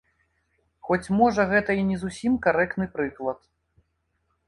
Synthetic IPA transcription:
xɔt͡sʲmɔʐɐɣɛt̪ɐinʲɛzusʲimkaɾɛkt̪nɨpɾɨklˠɐt̪

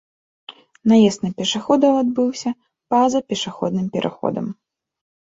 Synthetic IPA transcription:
najɛst̪nɨpʲɛʂaxɔd̪ɐwad̪̚bɨwsʲɐ | pazɐpʲɛʂaxɔ̰d̪nɨmpʲɛɾʔa̰xɔ̰d̪ɐ̰m

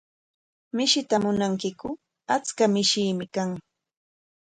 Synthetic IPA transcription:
mɪʃɪt̪amʊnaŋkɪkʊ | at͡skamɪʃiːmɪkaŋ

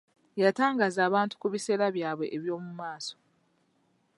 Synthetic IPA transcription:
jataːŋɡazaːβaːntu̥kuβise̞ːɾaβjaːβwe̞ʔeβjo̞ːmumaːso̥

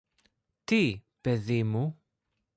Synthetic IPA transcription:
t̪i | peðimu

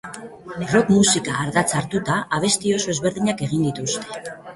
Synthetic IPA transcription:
ro̞kmusikaːɾðat͡saɾt̪ut̪aːβ̞e̞st̪io̞so̞ezβe̞ɾð̞iɲake̞ɣ̞ind̪it̪ust̪e̞̥

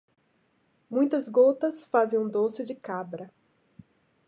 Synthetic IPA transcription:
mũj̃t̪ɐzɡot̪ɐsfazẽj̃ũd̪osɪd͡ʒɪkabɾɐ

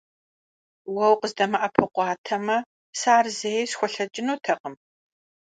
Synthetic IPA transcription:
wɐwqəzdɐmɐʔɐpʰɨqʷɑːtʰɐmɐ | saːrzejsxʷɔɬɐt͡ʃʼɪnuːtʰɐqəm

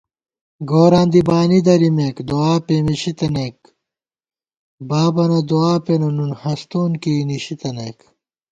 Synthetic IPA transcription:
ɡoːɾãːnd̪ibaːnid̪ɐɾimekd̪oaːpemiɕit̪ɐnek | baːbɐnɐd̪uaːpenɐnunhɐst̪oːnkiːniɕit̪ɐneːk

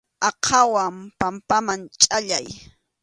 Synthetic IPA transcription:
ɑqʰawampampamant͡ʃʼaʎaj

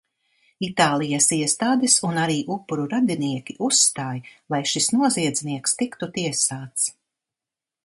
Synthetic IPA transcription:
it̪aːlˠijasiɛst̪aːd̪ɛsunaɾiːʔupːuɾuɾad̪iniɛkʲiʔusːt̪aːjlˠajʃisnuɔziɛd̪zʲniɛkst̪ikt̪ut̪iɛsaːt̪s

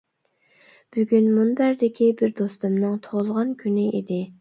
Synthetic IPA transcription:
b̥yɡʲynmunb̪æɾd̪ɪkʲʰibɪɾd̪ost̪umnɨŋt̪ʰoʁlˠʁɑnkʲʰynɪʔid̪ɪ

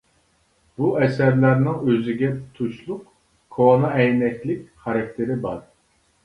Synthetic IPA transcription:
b̥uʔɛsæɾlæɾnɪŋøzɪɡʲɛt̪ʰuʃlˠʊq | kʰoonɑɛjnɛkʲlɪkʲχɑɾɑk̚ʲt̪ʰɪɾɪbɑɾ

